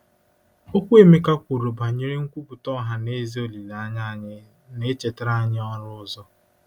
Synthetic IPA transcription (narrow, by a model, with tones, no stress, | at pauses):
o˦kʷe˦˨me˦ka˦kʷu˨ɾo˨ba˨ɲe˦ɾe˦ŋ̩˦kʷu˦bu˨tɔ˦ɦa˦ne˦zi˦o˦li˨la˨a˦ɲa˦˨ɲɪ˦ | ne˦t͡ʃe˨te˦ɾa˦ɲɪ˦ɔ˦ɾʊ˦ʊ˦zɔ˦